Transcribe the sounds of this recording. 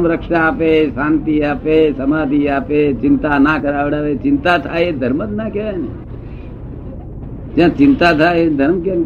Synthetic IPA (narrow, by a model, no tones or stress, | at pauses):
mɾəkʃaːpesaːnt̪iaːpeːsɐmaːd̪ʱiaːpet͡ʃɪnt̪anakəɾaːʋɽaʋeːt͡ʃɪ̃nt̪at̪ʰaːed̪ʱəɾməd̪nakenḛ | d͡ʒãt͡ʃɪnt̪at̪ʰaed̪ʱəɾmken